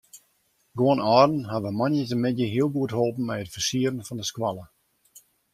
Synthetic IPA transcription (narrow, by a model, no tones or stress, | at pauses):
ɡoənɔːrn̩ɦaʋəmɔnjətəmɪdjəɦiəlˠɡuətholˠpn̩mɛjətfərsiəɾən̩fɔndəskwalˠə